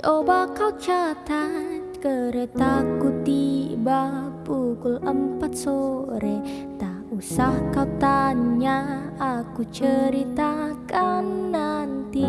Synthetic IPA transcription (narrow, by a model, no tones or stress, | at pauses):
obakawt͡ʃat̪a | kəɾet̪akut̪ibapukuləmpat̪̚soɾe | t̪a | usahkawt̪aɲaakut͡ʃəɾit̪akanːant̪i